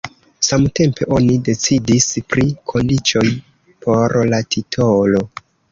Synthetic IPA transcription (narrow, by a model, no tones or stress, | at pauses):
samte̞mpe̞̰ʔo̞nide̞t͡sidispɾikʰo̞ndit͡ʃo̞j | pʰo̞ɾlatʰitʰolo̞